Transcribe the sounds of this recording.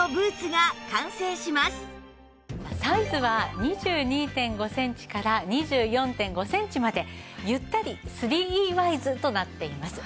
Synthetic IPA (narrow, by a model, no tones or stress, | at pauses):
obɯ̟ːt͡sɨɡakãɰ̃sẽːɕimasɨ̥ | masaizɨβaɲ̟iʑɨːɲ̟iːt̪ẽ̞ŋɡo̞sẽ̞ɲ̟t͡ɕi̥kaɾaɲ̟iʑɨːjõ̞nt̪ẽ̞ŋɡo̞sẽ̞ɲ̟t͡ɕimad̪e̞jɯ̟t̪ːaɾʲisɨɾʲiːiːβaizɨt̪o̞nat̪ːe̞imasɨ̥